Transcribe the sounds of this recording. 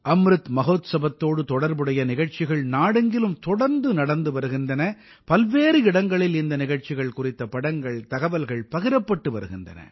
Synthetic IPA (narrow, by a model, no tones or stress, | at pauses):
ɐmɾɯt̪mɐɣoːt̪sɐbɐt̪ːoːɽɯt̪ɔɽɐɾbɯɽɐjɐnɪɣɐɻt͡ʃɪɣɐɭnaːɽɯŋɡɪlɯmt̪ɔɽɐɾnd̪ɯnɐɽɐnd̪ɯʋɐɾɯɣɪnd̪ɐnɐ | pɐlʋeːɾɯɪɽɐŋɡɐɭɪlɪnd̪ɐnɪɣɐɻt͡ʃɪɣɐɭkʊrɪt̪ːɐpɐɽɐŋɡɐɭt̪ɐɣɐʋɐlɣɐɭpɐɣɪɾɐpːɐʈːɯʋɐɾɯɣɪnd̪ɐ̰nɐ̰